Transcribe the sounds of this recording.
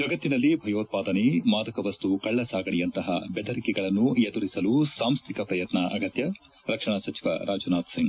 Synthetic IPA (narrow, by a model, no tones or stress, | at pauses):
d͡ʒɐɡɐt̪ːinɐlːibʱɐjoːt̪̚paːd̪ɐnemaːd̪ɐkɐʋɐst̪ukɐɭːɐsaːɡɐɳijɐnt̪ɐɦɐ̰bɛd̪ɐɾikɛɡɐɭɐnːued̪uɾisɐlusaːmst̪ʰikɐpɾɐjɐt̪nɐʔɐɡɐt̪jɐ | ɾɐkʂɐɳɐsɐt͡ʃi̥ʋɐ̰ɾʔaːd͡ʒunaːd̪siŋɡ